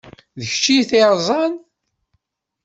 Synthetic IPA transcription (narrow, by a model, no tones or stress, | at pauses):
ðəçt͡ʃːijθeɾˤzˤɑn